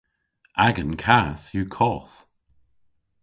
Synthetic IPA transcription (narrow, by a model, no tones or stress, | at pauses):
ʔaɡənkʰaːθjuːkʰɔːθ